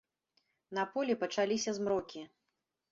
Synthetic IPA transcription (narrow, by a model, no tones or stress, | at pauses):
nɐpɔlʲipɐt͡ʂalʲisʲɐzmɾɔkʲi